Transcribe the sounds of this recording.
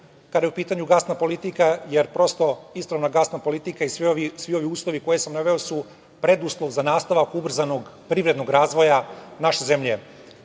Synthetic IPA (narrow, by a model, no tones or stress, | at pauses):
kad̪ajeupiːt̪aɲuɡasnapo̞lit̪ikajeɾpɾo̞st̪o̞ispɾaʋnaɡasnapo̞lit̪ikaisisʋio̞ʋiuːslˠo̞ʋiko̞je̞samnaʋe̞o̞su | pɾed̪uslˠoʋzanaːst̪aʋakubr̩zanoɡpɾiʋɾed̪no̞ɡɾaːzʋo̞janaʃeze̞mʎe